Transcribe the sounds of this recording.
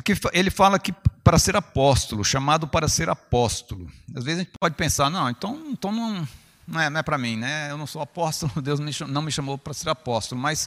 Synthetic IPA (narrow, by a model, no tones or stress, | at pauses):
akifaelɪfalɐkɪpaɾɐseɾapɔst̪ʊlʊʃamad̪ʊpaɾɐseɾapɔst̪ʊlʊazvezɐẽt͡ʃɪpɔd͡ʒɪpẽsaɾnɐ̃w̃ẽnt̪ɐ̃w̃ẽt̪ɐ̃w̃nɐ̃w̃ | nɐ̃w̃ɛnɐ̃ɛpɾɐmĩnɛewnɐ̃w̃sowapɔst̪ʊlʊd̪ewzmɪʃɐ̃nɐ̃w̃mɪʃɐ̃mowpɾɐseɾapɔst̪ʊlʊmɐjs